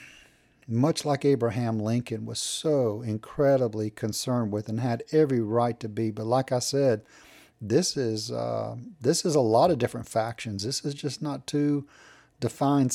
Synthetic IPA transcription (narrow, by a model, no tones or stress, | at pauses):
mʌt͡ʃlaɪkeɪbɹɨɦæ̃mlɪ̃ŋkɨ̃nwʌ̰z̥soʊɪ̃nkʰɹ̥ɛɾəblikʰɨ̃nsɜ̃˞nd̚wɪðɨ̃nɨɾɛvɹiɹaɪtʰɨbibʌtˡlaɪkaɪsɛd̪̚ | ðɪsɪz̰ðɪsɨzəlɔɾʌvdɪfɹɨ̃ntfækʃɨ̃nzðɪsɨzd͡ʒʌsnətʰʉ | d̥ɨfãɪ̃n